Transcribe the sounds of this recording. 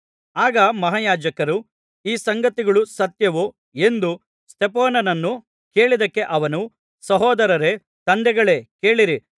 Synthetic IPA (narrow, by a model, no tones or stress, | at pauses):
aːɡɐmɐɦaːjaːd͡ʒɐkɐɾu | iːsɐŋɡɐt̪iɡɐɭusɐt̪jɐʋu | e̞nd̪u | st̪ʰepɔːnɐnɐnːu | ke̞ːɭid̪ɐkːe̞ʔɐʋɐnu | sɐɦɔːd̪ɐɾɐɾe̞ | t̪ɐnd̪ɛɡɐɭe̞ːkeːɭiɾi